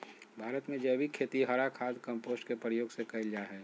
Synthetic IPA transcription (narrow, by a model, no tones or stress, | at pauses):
bʱaːɾət̪mẽd͡ʒɛːbʱikʰeːt̪iɦəɾakʰaːd̪kə̃mpoːsʈkepɾəjoːɡsekɐɪld͡ʒaɦɛː